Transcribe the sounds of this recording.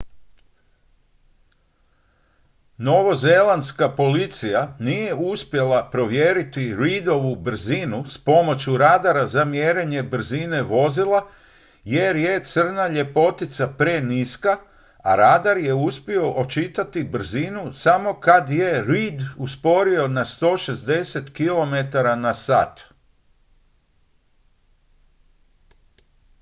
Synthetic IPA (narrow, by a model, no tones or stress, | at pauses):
no̞ʋozelˠand̪skapo̞lit̪sijanije̞uspje̞lapɾo̞ʋje̞ɾit̪iɾid̪o̞ʋubr̩zinuspo̞mo̞t͡ɕuɾaːd̪aɾazamjeɾeɲe̞br̩zine̞ʋo̞zilˠa | jeɾje̞t̪sɨr̩naʎe̞po̞t̪it̪sapɾeniska | a̰ɾaːd̪aɾje̞uspio̞ʔot͡ʃit̪at̪ibr̩zinusamo̞kad̪jeɾiːd̪uspo̞ɾio̞nast̪o̞ːʃe̞zd̪e̞se̞t̪kilo̞me̞t̪aɾanasa̰ːt̪